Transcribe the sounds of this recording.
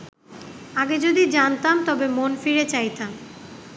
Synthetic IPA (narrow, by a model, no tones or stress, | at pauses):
aɡed͡ʑod̪id͡ʑant̪amt̪ɔbemonfiɾet͡ɕajt̪am